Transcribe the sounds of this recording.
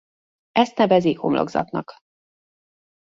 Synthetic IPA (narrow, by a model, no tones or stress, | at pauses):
ʔɛst̪nɛvɛzikho̞mlo̰ɡzɒ̰t̪nɒk